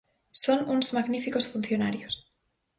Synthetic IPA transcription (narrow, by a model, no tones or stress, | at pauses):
sonunzmaɣnifiko̞sfunθjo̞naɾjos